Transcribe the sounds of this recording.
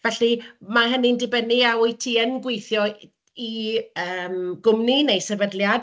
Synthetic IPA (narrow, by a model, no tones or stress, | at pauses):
vɛɬimaɦənindɪbəniawʊjtʰiːənɡwejθjɔ | iəːmɡʊmninejsɛvədljad